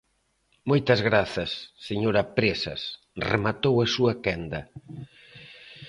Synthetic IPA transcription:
mojt̪ɐzɣɾaθɐsːeɲoɾɐpɾesɐ̰s | rḛmat̪owɐsuɐkɛnd̪ɐ

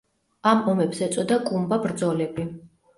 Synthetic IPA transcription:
amɔmɛbzɛt̪sʼɔd̪akʼumbabɾd̪zɔlɛbi

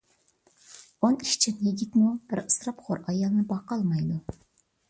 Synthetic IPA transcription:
oniʃt͡ʃʰɪnjiɡʲit̪ʲmub̥ɪɾəsɾɑpχoɾɑjɑlˠnɨbɑqɑlˠmɑjd̪u

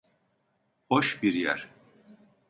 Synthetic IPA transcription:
hoʃbiɾjæ̰ɾ̥

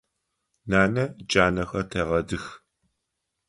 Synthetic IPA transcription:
naːnɐd͡ʒʼaːnɐxɐtʰɐʁɐdɨx

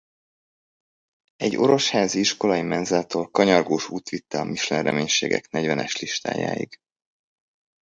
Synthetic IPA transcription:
ɛɟːo̞̰ɾo̞ʃhaːziiʃko̞lɒjimɛnzɛlt̪oːlkɒɲɒrɡoːʃuːt̪ʋit̪ːɛɒmiʃlɛrːɛmeːɲʃeːɡɛ̰knɛɟvɛnɛʃliʃt̪a̰ːja̰ːjḭɡ̥

